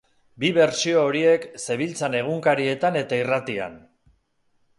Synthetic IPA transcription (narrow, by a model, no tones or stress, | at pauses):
biβe̞ɾsio̞ːɾie̞kse̞β̞ilt͡sane̞ɣ̞uŋkaɾie̞t̪ane̞t̪airat̪ia̰n